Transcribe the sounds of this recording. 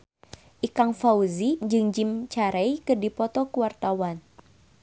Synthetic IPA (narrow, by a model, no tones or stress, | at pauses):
ʔikaŋfauzid͡ʒɨŋd͡ʒimt͡ʃaɾɛjkɨrdipɔt̪ɔkuwart̪awan